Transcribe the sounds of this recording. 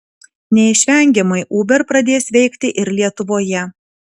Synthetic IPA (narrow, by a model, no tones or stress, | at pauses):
nʲɛɪʃʲʋʲɛŋʲɡʲɛmɐɪʔuːbʲɛɾpɾɐd̪ʲeːsʋʲɛɪkʲt̪ʲɪʔɪɾlʲiɛt̪ʊʋoːjɛ